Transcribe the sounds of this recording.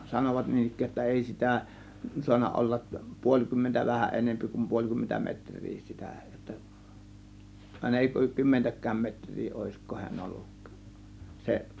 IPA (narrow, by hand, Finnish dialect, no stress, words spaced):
sɑnoʋɑt niːn ikˑæːj jotːɑ eˑi si̞tæ suɑnːɑ olːɑʔ puolʲ kymːentæ ʋæhæʔ ʔenempi kum puolʲ kymːentæ metrˑiː sitæ jotːɑ ɑˑe̝nɑ eˑi kymːentækˑæːm metr̆ʲriː oˑe̝sko hiæn olːuk se